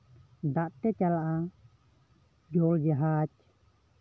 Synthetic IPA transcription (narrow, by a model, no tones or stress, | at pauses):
d̪aʔt̪ɛt͡ʃalaʔa | d͡ʒɔld͡ʒaɦat͡ʃ̚